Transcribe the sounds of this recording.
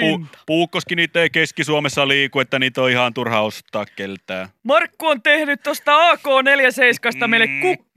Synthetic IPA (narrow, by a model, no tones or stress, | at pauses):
u̥puːkːoskiniːt̪ːˑeikeskisuɑmesːɑliːkuet̪ːæniːt̪oihɑnt̪urhɑost̪ːˑɑːkkelt̪æːmɑrkːuont̪ehnyt̪t̪ost̪ɑɑːkoːneljæseiskɑist̪ɑmeilːekkukː